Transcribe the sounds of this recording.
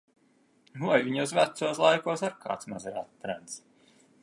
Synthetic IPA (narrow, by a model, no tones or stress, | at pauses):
nuvajviɲzvæt̪suːslˠajkuɔsaɾkʰa̰ːt̪smazɛɾat̪ːɾant̪s